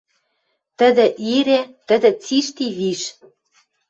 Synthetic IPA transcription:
t̪ə̆d̪ĕʔiɾet̪ə̆d̪ĕt͡siʃt̪iβiʃ

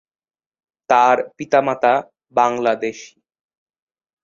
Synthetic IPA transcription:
t̪aɾpit̪amat̪a | baŋlad̪eʃ

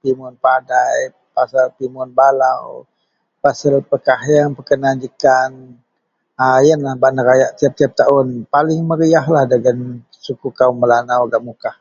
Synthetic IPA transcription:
pimʊnpadaj | pasalpimʊnbalaw | pasəlpəkaɦjaŋpəkənand͡ʒikan | ajənlahbaʔnəɾajaʔt̪iap̚t̪iap̚t̪aʊnpalɪŋməɾiaɦlahdəɡan | sukukawməlanawɡaʔmukah

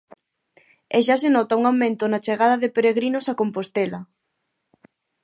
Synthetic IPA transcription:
eʃasenɔt̪auŋawmẽnt̪ʊnat͡ʃeɣað̞ɐðepeɾeɣɾinosakompost̪elɐ

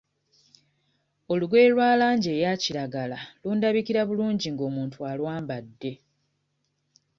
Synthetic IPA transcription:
o̞luɡwe̞ːlwaːlaːɲɟe̞ːjaciɾaɡalaluːndaβikiɾaβuluːɲɟiŋɡo̞muːntʰualwaːmbadːe̞

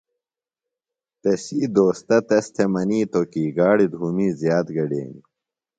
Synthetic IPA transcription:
t̪ɐsiːd̪oːst̪ɐt̪ɐst̪ʰemɐniːt̪okiːɡaːɽid̪ʱuːmiːzjaːt̪ɡɐɖḛːni

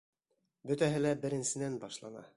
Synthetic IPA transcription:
bɵ̆t̪æɦɘlæbɘ̆ɾɘ̆nsɘ̆nænbɑʃlˠɑnɑ̰

